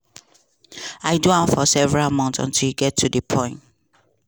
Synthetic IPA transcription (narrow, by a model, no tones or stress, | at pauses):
aɪduãmfɔsɛvɛɹalmɔ̃ntsɔ̰̃ntʰiljuɡɛtʰːudəpʰɔ̃ɪ̃nt